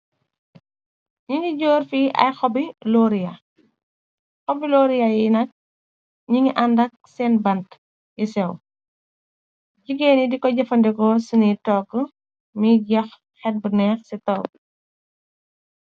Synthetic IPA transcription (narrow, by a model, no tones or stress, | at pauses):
ɲiŋiɟoːrfiːʔɐ̰jxɔbilɔɾijɐ | xɔbiloːɾijɐjinɐk̚ | ɲiŋɡiʔɐndɐk̚sɛːnbɐnt | jisɛw | ɟiɡeːnidikɔɟɐfɐndɛkɔsunitɔːɡə | miɟɐx | xɛt̚bənɛːxsɛtɔːk̚